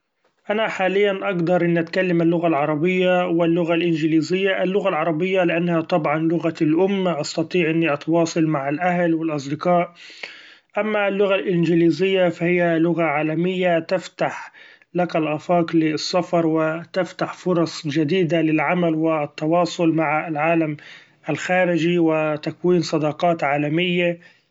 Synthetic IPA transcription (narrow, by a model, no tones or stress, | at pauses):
ʔanaħaːlɪjːanʔaɡd̪ɑɾˤʔɪnːiʔat̪kalːamalːʊɣalʕɑɾˤɑbɪjːawɪlːʊɣalʔɪnd͡ʒɪliːzɪjːaʔɪlːʊɣalʕɑɾˤɑbɪjːalɪʔanːhat̪ˤɑbʕɑnlʊɣalʔʊmːʔɑst̪ɑt̪ˤiːʕʔɪnːiʔɑt̪wɑːsˤɑlmaʕɪlʔahlwɪlʔɑs̬ˤd̪ɪqɑːʔ | ʔamːalːʊɣalʔɪnd͡ʒɪliːzɪjːafahɪjːalʊɣaʕaːlamɪjːat̪ɪft̪aħ | lakalʔafɑːklɪsːɑfɑɾˤwɪt̪ɪft̪aħfʊɾˤɑsˤd͡ʒad̪iːd̪alɪlʕamalwɪt̪ːɑwɑːsˤʊlmaʕɪlʕaːlam | ʔalxaːɾɪd͡ʒiwɪt̪akwiːnsˤɑd̪ɑqɑːt̪ʕaːlamɪjːa